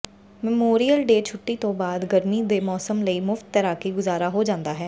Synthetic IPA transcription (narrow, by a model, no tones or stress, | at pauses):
mɛmoːɾijəlɖeːt͡ʃʰʊʈːiːt̪õːbaːd̪ɡəɾmiːd̪eːmɔːsəmləiːmʊft̪ːəɾaːkiːɡʊzaːɾaːɦoːd͡ʒãːnd̪aːɦɛː